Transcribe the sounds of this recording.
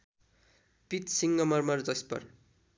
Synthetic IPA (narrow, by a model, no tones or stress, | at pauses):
pit̪siŋɡʌmʌrmʌrd͡zʌspʌ̰r